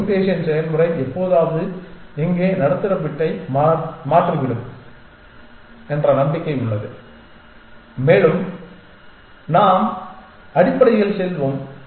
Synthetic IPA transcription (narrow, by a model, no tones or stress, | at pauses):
ʈeːʂɐnsɛjɐnmɯrɐɪɛpːoːðaːʋɐðɯɛŋɡeːnɐɽɐt̪ːɯrɐpːɪʈːɐɪmːmaːʈriʋɪɽɯm | ɛndrɐnɐmbɪkːɐɪʊɭːɐðɯ | meːɻɯm | naːm | ɐɽɪpːɐɽɐɪɣɐɭsɛlʋoːm